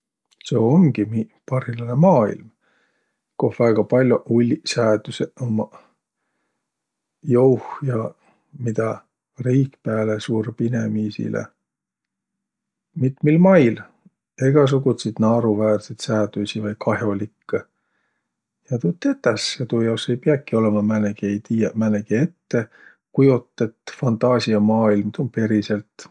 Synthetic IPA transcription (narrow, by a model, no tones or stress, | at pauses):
seoŋɡ̥imipɑrhilɑnemɑːḭlm | kohvæːɡ̥ɑpɑlʲjoʔulʲːisæːt̪useomɑ | jowhjɑ | mid̪̥ɑ | riːkpæːlesuːɾpinemiːsḭlḛ | mit̪ˑmilmɑjl | e̞ɡ̥ɑs̬uɡut̪sid̪̥nɑːɾuvæːrset̪sæːt̪usivɑjkɑɦjo̞likːɑ | jɑt̪ut̪ːˑet̪ːɑsjɑt̪uːjɑwse̞jpeɑkːˑio̞le̞mɑmæneɡejt̪imæneɡie̞t̪ːe̞ | kujot̪ːˑe̞t̪ːfɑnt̪ɑːsiɑmɑːilmt̪onpe̞ɾise̞lt̪